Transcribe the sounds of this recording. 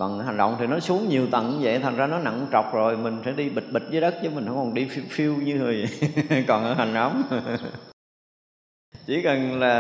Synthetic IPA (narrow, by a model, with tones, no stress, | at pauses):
və̰˧˨n˩ɦa˨˩jŋɗɔ̰˧˨wŋ͡mt̪ʰi˨˩nɔ˨˦su˨˦əŋɲi˨˩əwt̪ə̰˧˨nɨ˧və̰˧˨jt̪ʰa˨˩ŋ̟zaː˧nɔ˨˦na̰˧˨ŋt͡ɕɔ˨˩wk͡p̚zo˨˩jmï˨˩ŋ̟sɛ̰˧˥ɗi˧ɓï˨˩t̟̚ɓï˨˩t̟̚vəː˨˦jɗə˦˥k̚t͡ɕɨ˨˧˦mï˨˩ŋ̟hə˧˦ŋ͡mkɔ˨˩nɗi˧ffi˧əwɲɨ˧zə˨˩jkɔ˨˩nʔə̰ː˧˦ɦa˨˩jŋ̟la˨˦wŋ͡m | t͡ɕi˧˩kə˨˩nlaː˨˩